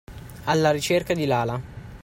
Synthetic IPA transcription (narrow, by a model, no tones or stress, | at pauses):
alːaɾit͡ʃerkad̪ilaːla